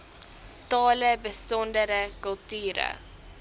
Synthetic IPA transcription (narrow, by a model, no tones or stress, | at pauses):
tɑːləbəsɔndəɾəkɵlˠtyːɾə̰